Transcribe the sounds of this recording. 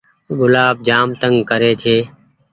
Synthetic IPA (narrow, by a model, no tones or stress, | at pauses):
ɡʊlaːb̚d͡ʒaːmt̪əŋɡkəɾeːt͡ʃʰeː